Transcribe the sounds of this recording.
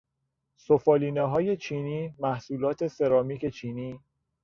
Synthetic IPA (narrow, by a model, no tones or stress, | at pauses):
sofɒːliːneɦɒːje̞t͡ʃʰiːniːmæhsuːlɒːt̪ʰe̞se̞ɾɒːmiːcʰe̞t͡ʃʰiːniː